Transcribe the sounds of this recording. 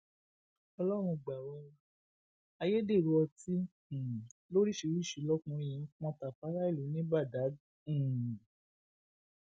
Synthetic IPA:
ɔ˧lɔ˦ɾ̃ũ˧˨ɡ͡ba˨wɔ˧ | a˧je˦de˦˨ɾu˨˧ɔ˧tĩ˦˨ | lo˦ɾi˦ʃe˧˦ɾi˦˨ʃi˨˦lɔ˦kũ˧˨jĩ˨˧˦k͡pɔ̃˧ta˨fa˨˦ɾa˦i˦˨lu˨˦nĩ˦ba˦˨dã˨˦˨

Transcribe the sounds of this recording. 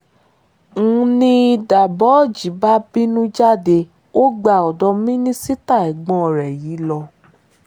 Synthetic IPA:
ŋ̩̃˨˦nĩ˧i˧da˨bɔ˨˦˨d͡ʒi˨˦ba˦bi˦nũ˦d͡ʒa˦˨de˧ | o˦ɡ͡ba˧˨ɔ˨dɔ˧mĩ˦nĩ˦si˦ta˦˨ɛ˨ɡ͡bɔ̃˧˨ɾɛ˨ji˨˦lɔ˧

